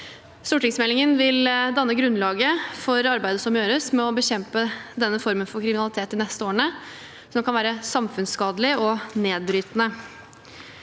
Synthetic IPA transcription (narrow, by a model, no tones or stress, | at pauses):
st̪uːʈɪŋsmɛlːɪŋənʋɪld̪ɑnːəɡɾʉnlɑːɡəfɔɾɑɾbæɪd̪əsɔmjøːɾəsmɛɔbəçɛmpəd̪ɛnːəfɔɾmənfɔɾkʰɾɪmɪnɑlɪt̪ʰeːt̪ɪnɛst̪əoːɾəɳə | sɔmkɑnʋæːɾəsɑmfʉnskɑːd̪əlɪɔneːd̪̚bɾyːt̪nə